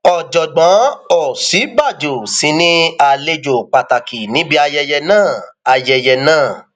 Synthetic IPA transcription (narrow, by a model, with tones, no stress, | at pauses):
ɔ˨d͡ʒɔ˨ɡ͡bã˨˦ɔ˨si˨˦ɡ͡ba˦˨d͡ʒo˨sĩ˨˦nĩ˦a˧le˧d͡ʒo˨k͡pa˨ta˨ki˨nĩ˨˦bi˦a˧jɛ˧jɛ˧nãː˦˨a˧jɛ˧jɛ˧nãː˦˨